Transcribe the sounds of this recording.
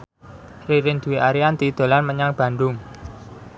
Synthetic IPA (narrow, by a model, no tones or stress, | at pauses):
riɾɪnd̪̥ṳwiʔaɾiant̪id̪̥o̤lanməɲaŋb̥ä̤nd̪ʊŋ